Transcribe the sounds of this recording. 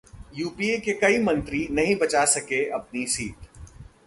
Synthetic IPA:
juːpiekekɐimɐ̃nt̪ɾinɐɦĩbɐt͡ʃasɐkeɐp̚nisiːt̪

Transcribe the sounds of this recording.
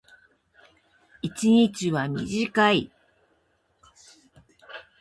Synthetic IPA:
it͡ɕiɲit͡ɕiβamʲḭʑikai

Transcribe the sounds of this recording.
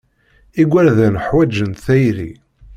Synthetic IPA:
iɡʷæɾðænħwæd͡ʒːənt̪θæjɾḭ

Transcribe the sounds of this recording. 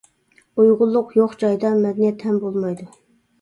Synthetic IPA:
ujʁʊlˠːʊqjoχd͡ʒɑjd̪ɑmɛd̪ɛnijɛt̪ʰːɛnbolˠmɑjd̪u

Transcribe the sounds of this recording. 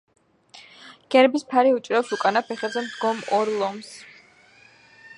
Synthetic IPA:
ɡ̥ɛɾbispʰaɾiut͡ʃʼɾafsukʼanapʰɛχɛzɛmd̪ɡɔmɔɾlˠɔms

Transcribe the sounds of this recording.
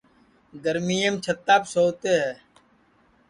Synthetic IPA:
ɡəɾmiːəmt͡ʃʰət̪ːaːpsoːt̪eːɦɛː

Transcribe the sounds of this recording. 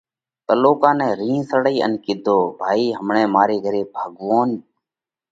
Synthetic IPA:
t̪əloːkãːnɛ̃ːɾĩːnsəɽiːə̰nkɪd̪ʱoːbʱaːiːɦəmɳeːmaːɾeːɡʱəɾeːbʱəɠʋoːn

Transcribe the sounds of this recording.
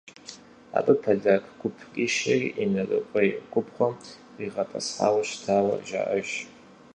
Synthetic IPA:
a̰pʼɨpʰaɮʲakʰʼɡʷʊpʰkʲʼiʃariʔinarʼɨkʷʼajɡʷʰʊpʰχʷa | iʁapʰʼa̰sħa̰waʃtʰawa̰ʒa̰ʔaʒ

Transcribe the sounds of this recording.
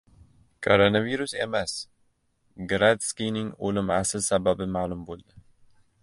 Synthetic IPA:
kʰʼoɾonaviɾusemas | ɡɨɾad̪skiniŋolɨmʕa̰sɨlsababɨmalumbold̪ə

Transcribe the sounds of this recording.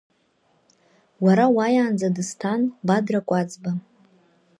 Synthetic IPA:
waɾawajaːnd͡zadɨstʰanbadrakʷʼad͡zba

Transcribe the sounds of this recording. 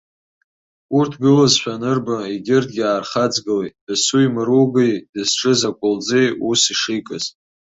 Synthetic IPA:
urtʰɡɨlazʃᶣanɨrbaiɡʲɪrdɡʲaːrχad͡zɡɨlejt̚ʼd̥ɨsuimɨɾuɡejd̥ɨzʈ͡ʂʰʼɨzakʷʼʊld͡zejusiʂijkʼaz

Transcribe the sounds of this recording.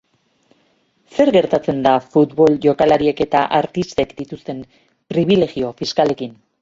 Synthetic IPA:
se̞ɾɣe̞ɾt̪at͡se̞nd̪afut̪βo̞lʝo̞kalaɾieke̞t̪aʔaɾt̪ist̪e̞kd̪it̪ust̪e̞m | pɾiβ̞ile̞ɣio̞fiskale̞kin

